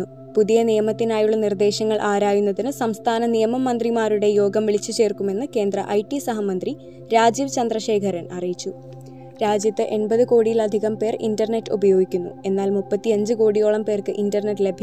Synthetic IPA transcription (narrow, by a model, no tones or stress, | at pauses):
u | puðijɐnijɐmɐt̪ːinaːjuɭːɐnird̪e̞ːɕɐŋːɐɭʔaːɾaːjunːɐðinɨsɐmst̪ʰaːnɐnijɐmɐmːɐnd̪rimaːɾuɽe̞jo̞ːɡɐmʋiɭit͡ɕːut͡ɕe̞ːrkume̞nːɨke̞ːnd̪rɐ̰ʔɐjʈːisɐɦɐmɐnd̪ri | ɾaːd͡ʑiːʋt͡ɕɐnd̪rɐɕe̞ːkʰɐɾɐnɐrijit͡ɕːu | ɾaːd͡ʑjɐt̪ːɨʔe̞nbɐðɨko̞ːɽijilɐd̪ʱiɣɐmpe̞ːrḭndɐrne̞tːɨubɐjo̞ːɡikʲːunːṵe̞nːaːlmupːɐt̪ːiɐɲd͡ʑɨko̞ːɽijo̞ːɭɐmpe̞ːrkɨʔindɐrnetːle̞bʱj